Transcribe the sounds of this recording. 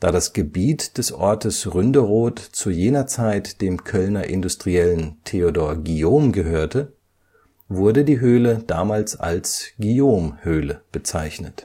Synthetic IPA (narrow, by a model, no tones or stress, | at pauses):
d̥a̰ːdasɡ̥əbiːtd̥ɛsʔɔɐtəsʁʏndəʁoːtt͡sujeːnɐt͡saɪtd̥eːmkʰœlnɐʔɪndustʁ̥iɛləntʰeodoːɐɡioːmɡəɦøːɐtʰə | vʊɐdədiːɦøːləd̥aːmaːlsa̰lsɡ̥ioːmhøːləb̥ət͡saɪçnət